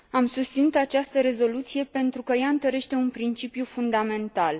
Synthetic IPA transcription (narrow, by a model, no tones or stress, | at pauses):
amsust̪sinut̪at͡ʃast̪əɾe̞zo̞lut̪sije̞pe̞nt̪ɾukəjaɨnt̪əɾe̞ʃt̪e̞unpɾint͡ʃipjufund̪ame̞nt̪al